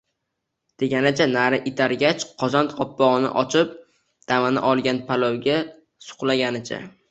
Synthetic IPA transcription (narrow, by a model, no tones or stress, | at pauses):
d̪̥e̞ɡʲanɪt͡ʃʰanaɾɪʔɪt̪ʰaɾɡʲat͡ʃqʰɒzant̪qɒpːɒʁɨnɪ̰ʔɒt͡ʃʰɪp̚ | d̪̥amanɪ̰ʔɒlˠɡʲanpʰalˠɒwɡʲa | sʊ̥qlˠaɡʲanɪt͡ʃʰa̰